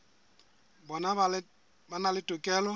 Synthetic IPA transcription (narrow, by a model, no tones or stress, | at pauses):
bɔna | banalɪtukɛlo